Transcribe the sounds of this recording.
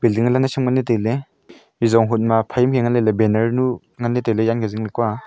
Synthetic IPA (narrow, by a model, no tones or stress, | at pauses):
b̥ildiŋalanasɯmŋanːetele | mizɔŋɦut̚mapʰajimkʰeŋanlelebenɐɾnu | ŋanːetelejankʰeziŋlikwa